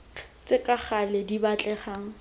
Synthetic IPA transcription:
t͡sʼɪkʼaχaledibat͡ɬʼɛχaŋ̩

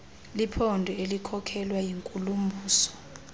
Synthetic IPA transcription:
lipʰɔndʱɔelikʰɔkʰɛlwajiŋkʼulum̩bʱuːsɔ̥

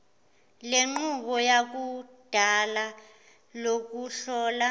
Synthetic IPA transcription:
leŋ͡ǃuk̬ɔjak̬ud̥ʱala | lok̬uɬɔːla

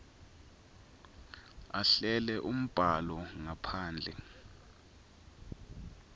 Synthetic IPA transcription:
aɬɛlɛʔum̩b̥ʱalɔŋapʰaːnd͡ɮʱɛ̰

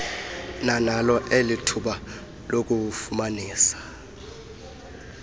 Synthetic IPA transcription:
nanalɔʔelitʰuɓa | lok̬ʼufumaniːsḁ

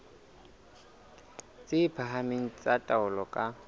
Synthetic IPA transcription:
t͡sʼɪpʰaɦameŋ̩t͡sʼatʼaʊlɔkʼa

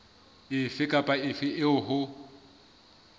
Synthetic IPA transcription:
ɪfɪkʼapʼaɪfɪʔɪʊɦʊ

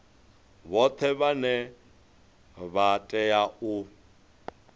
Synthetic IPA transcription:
βɔt̪ʰɛβanɛ | βatʼɛjau

